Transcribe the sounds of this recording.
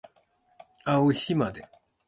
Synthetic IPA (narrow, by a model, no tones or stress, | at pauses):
aoçimad̪e